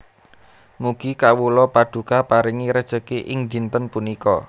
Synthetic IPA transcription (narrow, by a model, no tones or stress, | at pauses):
muɡ̥i̤kawulɔpad̪̥ṳkapaɾiŋiɾəd̥ʒ̥ə̤keʔɪŋd̪i̤nt̪ənpunikɔ